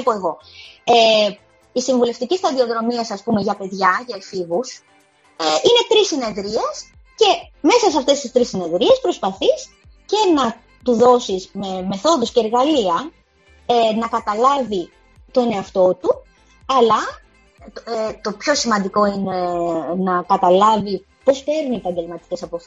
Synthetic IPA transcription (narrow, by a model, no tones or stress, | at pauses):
ipoe̞ɣo̞ | e | isiɱvule̞ft̪icist̪ɐðio̞ðɾo̞miɐsɐspume̞ʝɐpe̞ðʝɐʝɐifivus | eine̞t̪ɾisine̞ðɾie̞s | ce̞me̞sɐseɐft̪e̞st̪ist̪ɾisine̞ðɾie̞spɾo̞spɐθis | ce̞nɐ | t̪uðo̞sismeme̞θo̞ðusceːɾɣɐliɐ | nɐkɐt̪ɐlɐvi | t̪o̞ne̞ɐft̪o̞t̪u | ɐlɐ | t̪o̞pço̞simɐnd̪iko̞inenɐkɐt̪ɐlɐvi | po̞spe̞ɾniepɐɲɟelmɐt̪i̥ce̞sɐpof